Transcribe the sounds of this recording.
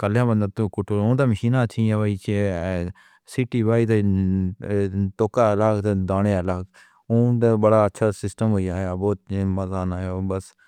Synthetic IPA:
kəljãːbənd̪ãːt̪oːkʊʈʰːoːɾõːt̪aːməʃiːnãːt͡ʃʰĩãːʋaiːt͡ʃe | siːʈiːʋaːit̪e | t̪oːkaːlaːkt̪ed̪aːneːəlaːk | õːt̪eːbəɽaːətːʃʰaːsɪsʈəmɦoiaːaboːt̪̚məzaːnaːjoːbəs

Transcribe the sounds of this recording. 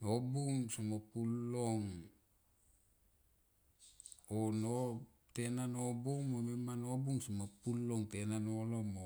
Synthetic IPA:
nobuŋsomopulːoŋ | ono | tenanobuŋmomemanobuŋsomopulːoŋtenanolomo

